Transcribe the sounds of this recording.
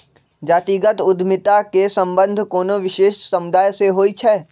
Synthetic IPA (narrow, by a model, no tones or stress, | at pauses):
d͡ʒaːt̪iːɡət̪ʊd̪ʱmɪt̪akesɐ̃mbə̃nd̪ʱkoːnoʋɪʃeːʃsɐmʊd̪aːjseɦoːit͡ʃʰɛː